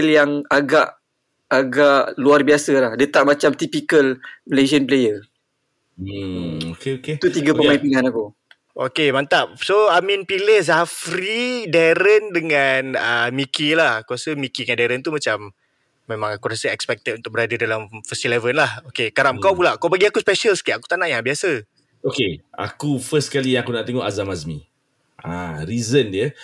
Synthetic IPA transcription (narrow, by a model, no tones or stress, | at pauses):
ljaŋaɡaʔ | aɡaʔluarbiasəlahdət̪aʔmat͡ʃamt̪ipikəlled͡ʒənplejə | okkt̪ut̪iɡəpəmaĩnpiŋanaku | o̰kemant̪ap̚soamĩnpilehzafɾidaɾəndəŋanəmikilahkuɾasəmikiŋandaɾənt̪umat͡ʃamː | ẽmãŋakuɾasəɛkspɛk̚t̪ət̚unt̪ʊk̚bəɾadədalamfəst̪ilɛvənlahokekaɾamkawpulaʔkawpaɡiakuspɛʃəlsə̥kiʔaku̥t̪anaʔjabiasə | okea̰kufəskalijãŋakunaʔt̪eŋoʔazamazmi | a̰ɾizəndiə